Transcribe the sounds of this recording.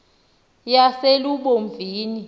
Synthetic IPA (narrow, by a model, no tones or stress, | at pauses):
jaseluɓoɱb̪vʱiːni